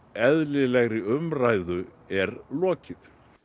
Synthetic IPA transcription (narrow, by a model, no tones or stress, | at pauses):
ɛðlɪlɛɣɾɪʏmraːjðʏ | ɛɾlɔːcɪð